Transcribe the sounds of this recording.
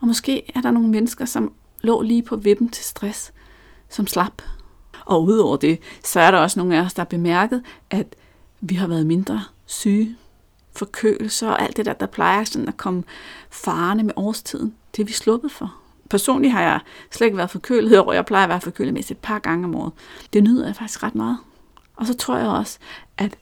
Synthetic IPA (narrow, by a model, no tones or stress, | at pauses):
ɒ̽mɒ̽sɡ̥e̝̰ːæɐɾɑ̈no̝ːn̩menəsɡ̥ɐsɒ̽m | lɔ̰̽ːliːpʰɒ̽ʋe̝b̥m̩t͡sʰe̝lsd̥ʁasː | ɒ̽mslɑb̥ʔɒ̽uð̞̰ˠɒʊ̰ɐd̥e̝sɒ̽æɐɾɑɒ̽səno̝ːn̩æɒsd̥ɑ̈b̥emæɐɡ̥ð̩ˠʔæd̥ | ʋiɦɑ̈ʋæːɐð̞̩ˠme̝nd̥ʁɐ | syː | fɒ̽kʰø̰ːl̩sɐɒ̽ʔæl̰d̥ed̥æ̰ɐ̰d̥ɑ̈pʰlɑ̈ɪɐsɔ̽nn̩ækʰɒ̽məfɑ̈ːnəmeʔɒːst͡sʰið̰ˠn̩d̥e̝æʋislɔ̽b̥ð̩ˠfɒ̽ | pʰæɐso̝̰ːnliɦɑ̈jɑ̈ɪsle̥e̝ɡ̥ʋæːɐðˠfɒ̽kʰø̰ːl̩ˠɒ̰jɑ̈ɪpʰlɑ̈ɪɐʋæɐfɒ̽kʰø̰ːl̩ˠmesied̥̚pʰɑ̈ɡ̥ɑ̈ŋəɒ̽mɒ̰ːð̩ˠd̥e̝nøð̰ˠɐjɑ̈ɪfɑɡ̥d̥i̥sɡ̥ʁad̥mɑːð̩ˠ | ʔɒ̽sɒ̽t͡sʰʁo̝ɐ̰jɑ̈ɪɒ̽sə̥ʔæd̥